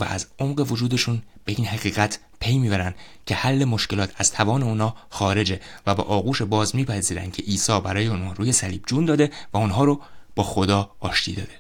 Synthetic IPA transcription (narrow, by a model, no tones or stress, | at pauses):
væ̰æ̰zomɢe̞vo̞d͡ʒuːd̪e̞ʃuːnb̥e̞ʔiːnɦæɣiːɣæt̪ʰ | pʰe̞jmiːbæɾænd̪ | cʰe̞hælːe̞mo̞ʃce̞lɒːt̪ʰæz̥t̪ʰævɒːne̞unhɒːxɒːɾe̞d͡ʒevæbɒ̰ːʔɒːɣuːʃe̞bɒːzmiːpʰæziːɾæ̰nd̪̚cʰe̞ʔiːsɒːbæɾɒːjeunhɒːɾuːje̞sæliːb̥̚d͡ʒuːnd̪ɒːd̪e̞væonɦɒːɾob̥ɒːxod̪ɒːɒːʃt̪ʰḭːd̪ɒ̰ːd̪e̞